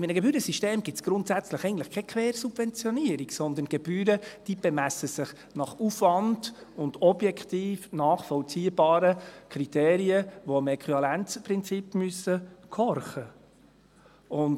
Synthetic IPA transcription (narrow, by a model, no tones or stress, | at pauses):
ɪminəɡ̥ɛbyːɾəsiʃteːmɡ̥ɪt͡sɡ̥ɾʊntsæt͡sləχɛɡən̩tləχkʰɛkʰvɛːɾsub̥vɛnt͡sjɔniəɾiɡsɔnd̪ənɡ̥ɛb̥yːɾəd̥iːb̥ɛmæsəsɪχ | nɑχufvɑnd̥ʊndɔb̥jɛkʰt̪iːfnɑːχfɔlt͡siːəbɑːɾəkʰɾit̪eːɾiəʋoɪmɛkʰʁyɑlænt͡spɾɪnt͡sipmyəsəkʰɔrχə | ʊn